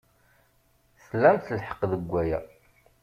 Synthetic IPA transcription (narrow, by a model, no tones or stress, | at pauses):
θəlːæmθəlħə̥qːðəɡʷːæjæ